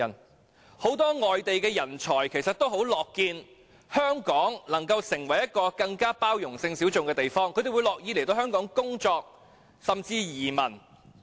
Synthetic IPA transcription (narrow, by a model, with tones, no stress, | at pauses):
n | ho˨˥wt̪ɔː˥ŋɔː˨jt̪e˨jkɛː˧jɐ˨˩nt͡ʃʰɔː˨˩jkʰe˨˩jsɐ˨t̪o˥wɦo˨˥wlɔː˨kːiː˧n | hœː˥ŋkɔː˨˥ŋlɐ˨˩ŋkɐ˧wsɪ˨˩ŋwɐ˨˩jɐ˥t̚kːɔː˧kɐ˧ŋkaː˥paː˥wjʊ˨˩ŋsɪ˧ŋsiː˨˥wt͡sʊ˨ŋkɛː˧t̪e˨jfɔː˥ŋkʰɵ˧˥d̪e˨wjlɔː˨k̚ji˨˥le˨˩jt̪o˧whɦœː˥ŋkɔː˨˥ŋkʊ˥ŋt͡ʃɔː˧k̚ | sɐ˨mt͡siː˧jiː˨˩mɐ˨˩n